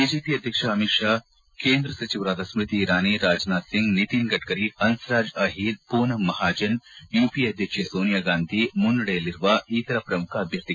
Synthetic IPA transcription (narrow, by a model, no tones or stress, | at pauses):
biːd͡ʒeːpiːɐd̪ʱjɐkʂɐɐmikʂaː | keːnd̪ɾɐsɐt͡ʃiʋɾaːd̪ɐsmɾɪt̪iːɾaːniɾaːd͡ʒnaːt̪siŋɡnit̪iːnɡɐʈkɐɾihɐnsɾaːd͡ʒɐɦid̪̚puːnɐmːɐɦaːd͡ʒɐnjuːpiɐd̪ʱjɐkʂɐsoːnijaːɡaːnd̪ʱimunɖuɽejɐliɾʋaʔiːt̪ɐɾɐpɾɐmukʰɐːb̪ʱjɐɾt̪i